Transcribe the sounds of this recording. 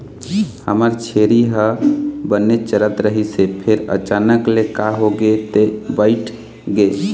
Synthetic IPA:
həməɾt͡ʃʰeɾiɦəbənːet͡ʃəɾət̪ɾəɦisepʰeɾə̰t͡ʃanəklekaɦoɡet̪ebəɪʈʰ | ɡe

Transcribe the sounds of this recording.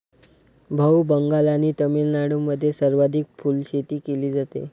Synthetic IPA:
bʱəwbəŋɡalaniːt̪əmilnaɽumːəd̪ʱːjesəɾʋad̪ʱik̚fuːlɕet̪iːkeliːd͡zat̪ḛ

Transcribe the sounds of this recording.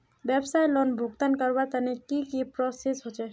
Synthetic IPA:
bebsajlɔnbʱuɡt̪ankəɾbat̪ənekikipɾɔsesɦot͡ʃe

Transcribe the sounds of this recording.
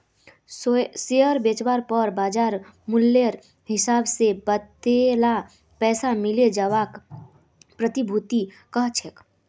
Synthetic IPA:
seəɾbet͡ʃwaɾpəɾbaːd͡ʒaːɾmʊlːəɾ | ɦɪsaːbsebət̪ela | pɛːsamɪled͡ʒaːwak | pɾət̪ibʱut̪i | kəɦt͡ʃʰek

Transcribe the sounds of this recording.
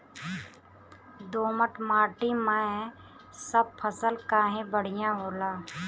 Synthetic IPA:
d̪oːməʈʰmaːʈiməɛ | səb̚pʰəsəlkaːɦẽbəɽ̤ɪjãɦoːlaː

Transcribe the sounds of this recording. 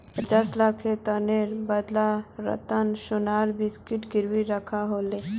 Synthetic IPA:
pət͡ʃaːslakʰet̪əneɾbəd̪laɾə̰t̪ənʃʊnaːɾbɪskɪʈɡɪɾwiɾəkʰaɦoːle

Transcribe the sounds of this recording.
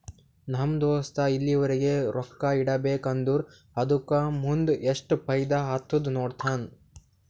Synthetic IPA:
nɐmd̪oːst̪ɐilːiʋɐɾiɡe̞ɾɔkːɐiɽɐbeːkɐnd̪uɾ | hɐd̪ukamund̪eʂʈpʰɐjd̪aɦat̪ːud̪noːɖt̪ʰaːn

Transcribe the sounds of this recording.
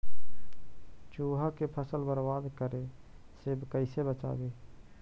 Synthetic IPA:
t͡ʃuːɦakepʰəsəlbəɾwaːd̪kəɾe | sebkəɪsebət͡ʃa̰ːɡeː

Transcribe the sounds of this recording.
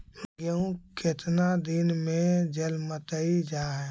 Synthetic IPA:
mɡjəũket̪nad̪ɪnmẽd͡ʒəlmət̪əid͡ʒaːɦɛ

